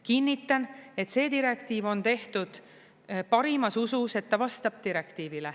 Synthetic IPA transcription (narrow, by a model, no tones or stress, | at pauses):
kinʲːit̪ːˑɑne̞t̪se̞ːd̪iɾe̞kt̪iːvo̞nt̪e̞ht̪ud̪̥ | pɑɾimɑsususe̞t̪ːɑvɑst̪ɑb̥̚t̪iɾe̞kt̪iːvile